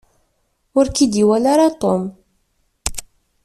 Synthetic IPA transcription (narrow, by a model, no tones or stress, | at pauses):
ʊɾkid̪iwælaɾat̪ˤom